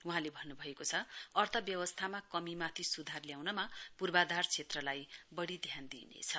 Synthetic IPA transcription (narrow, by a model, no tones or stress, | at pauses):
uɦãlebʱʌnːubʱʌekot͡sʰʌʌrt̪ʰʌbjʌwʌst̪ʰamakʌmimat̪ʰisud̪ʱarljawnʌmapurbad̪art͡sʰet̪rʌlajbʌɽid̪ʱjand̪ḭnḛt͡sʰʌ